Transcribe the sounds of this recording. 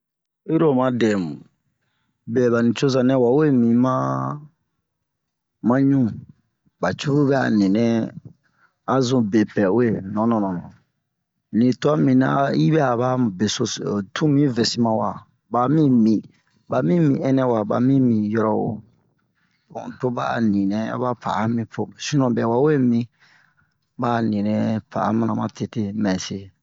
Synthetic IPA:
i˦ɾo˦˨mã˨dɛ̃˨mũ˨ | bɛ˨ba˨nĩ˨t͡ʃo˦zã˨nɛ̃˦wa˨we˦mĩ˨mã˦ | mã˦ɲũ˦ | ba˨t͡ʃu˦ɡu˦bɛ˦a̰˨nĩ˨nɛ̃˦ | a˦zũ˨be˨pɛ˨we˨nɔ̃˨˦nɔ̃˨nɔ̃˨nɔ̰̃˨ | nĩ˨tɔ˦mĩ˨na̰˦i˦bɛ˦a˨ba˦be˨so˦stũ˦mĩ˦ve˨si˦mã˦wa˨ | ba˨mĩ˦mĩ˨ | ba˨mĩ˦mĩ˨ɛ˦nɛ˦wa˨ba̰˨mĩ˦mĩ˨jɔ˦ɾɔ˦wo̰˨ | bɔ̰̃˨to˦ba̰˦nĩ˨nɛ̃˨a̰˦ba˦pa̰˨a˦mĩ˨po˨si˦nɔ̃˨bɛ˨wa˦wo˦e˦mĩ˦ | ba˦nĩ˨nɛ̃˦pa̰˨a˦ma˦nã˨mã˦te˦˨te˦mɛ̃˨se˦

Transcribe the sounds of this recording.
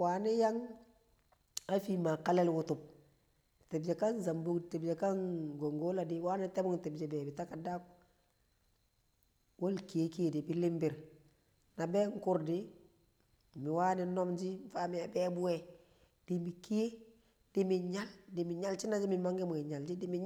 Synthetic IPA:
wa˨ni˦ja˦ŋ | a˦fi˦ma˨ka˦lɛ˦lwʊ˦tu˨p̚ | te˨bd͡ʒe˨ka˦nza˨mbu˦kti˨bd͡ʒe˨ka˦ŋɡo˨ŋɡo˦la˨dɪ˨waː˦ni˦te˦bʊ˦ŋti˨bd͡ʒe˨bɛ˨bi˨ta˦ka˨da˦k̚ | wa˦lki˨je˦ki˦je˨di˨bi˦lɪ˦mbɪ˨ɾ | na˨bɛ˦ŋkʊ˦ɾdi˦ | mi˨wa˦ni˨nɔ˦md͡ʒi˦mfa˦mia˨bɛ˦bu˦wɛ | d̥imi˨ki˦je˦ | d̥i˦mi˨ɲa˦ldi˨mi˨ɲa˦lt͡ʃi˦na˦d͡ʒi˦mi˨ma˦ŋɡe˦mu˨i˨ɲa˨ld͡ʒi˦di˦mi

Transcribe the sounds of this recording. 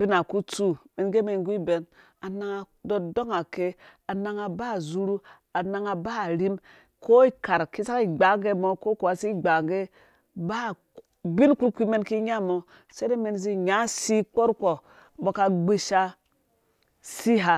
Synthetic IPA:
bi˦na˨ku˦t͡su˦me˨nɡe˦me˨nɡbe˨n | a˨na˦ŋa˨ | do˨do˦ŋa˨ke˦a˨na˨ŋa˨ba˦˨zu˦ɾu˦ | a˨na˨ŋa˨ba˦˨ɾi˦m | ko˦i˦ka˨ɾki˦sa˦ki˨ɡ͡ba˨˦ŋɡe˦mo˨ko˦ku˨a˨si˦˨ɡ͡ba˨ŋ˨ɡe˦ | ba˦˨ | bi˦nku˦lkʷi˦me˦nki˦ɲa˦mo˨ | se˦ne˦me˨nzi˦ɲa˨˦si˦k͡po˦ɾko˨ | bo˨ka˨ɡ͡be˦ʃa˦ | si˦ɦa˨

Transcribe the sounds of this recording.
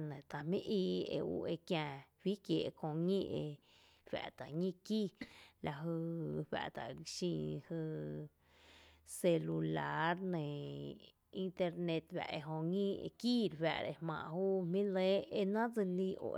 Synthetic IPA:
nẽ˨t̪a˨mĩ˦ʔiː˧˨ḛ˧ṵ˧ʔe˧kjãː˧ɸi˦kje˨ʔkõ˧ŋĩː˦ʔe˧ | wæ̰˨ʔt̪a˨ɲĩ˦˧ki˦la˧ɦɨ˧ɸæ̰˧˨ʔt̪a̰˨ɡʃĩ˧hɨ˧ | se˧lu˧la˧˦ɾnẽ˨ | i˧nt̪e˧ɾnẽ˧t̪ɸæ̰˨ʔe˧ɦõ˧ŋĩ˦ḛ˧ki˦ɾwæ̰˧ʔɾe˧mã̰ː˧˨huː˦mĩ˦le˦e˧nã˦d͡zi˧li˧ʔo̰˨

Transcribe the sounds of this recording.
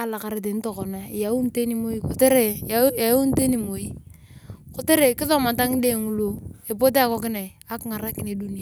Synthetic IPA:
a˦la˨ka˨ɾe˦t̬e˨n˦to˨kɔ˨na˨i˨ja˨u˦n˦te˦ni˨mo˦i˦ko˨te˦ɾe˨˦a˨o˦n˦te˦ni˨mo˨i˦ | ko˨te˦ɾe˨kɪ˦ðɔ˦˨ma˨ta˦ŋ˦de˦˨ŋu˨lu˦e˨po˦t̬e˦a˦˨kɔ˦k̬ɪ˦na˨i˨a˦kɪ˦ŋa˨ɾa˦kɪ˨ne˨du˦ni˦a˨

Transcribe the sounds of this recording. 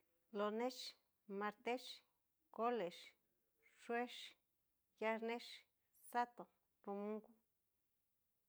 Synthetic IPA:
lo˧nẽ˦ʃ | ma˧ɾt̪e˦ʃ | ko˦le˨ʃ | ʂwe˦ʃ | ja˧ɾne˦ʃ | sa˦t̪o˨ | ro˧mũ˦ŋku˦

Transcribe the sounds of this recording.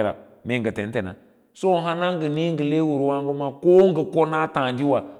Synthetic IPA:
ɾa̰˨ | me˨ŋɡə˨te˨n˦te˨na̰˨ | so˦˨ɦa˦na˦ŋ˦ɡə˨ni˦ŋ˦ɡə˨le˦wu˨ɾwa˦ŋɡu˦ma˦ko˦ŋ˦ɡə˨ko˦na˦tã˨nd͡ʒi˦wa˨

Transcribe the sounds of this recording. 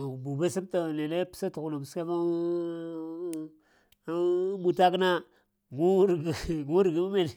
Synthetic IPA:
bu˨be˦si˦b̚ta˨ne˨le˦pi̥˦sa˦tu˨kno˨m˨se˦ba˦ | a˦bu˨ta˦kna˦ | ɡu˦ɾɡɡu˦ɾi˨ɡi˦mu˦me˨n˨

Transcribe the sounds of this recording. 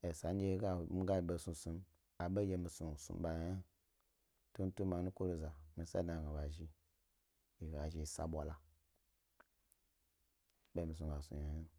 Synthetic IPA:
e˨sa˨n˦d͡ʒe˦ɡa˦˨mi˦ɡa˦i˨ɓe˦˨su˧su˧m | a˨ɓe˦je˦mi˨su˨sṵ̃˨m˦ɓa˨ja˦ji˦ | tu˦n̩˦tu˦mɓa˨˦nu˦ko˦ɾo˦za˨mi˨sa̰˦da˨ɡa˨ba˨ʒi˦ | i˨ɡa˨ʒi˨sa̰˨ɓʷa˨la˨ | be˦mi˨sũ˨ɓa˨sṵ˨ja˨ji˦˨

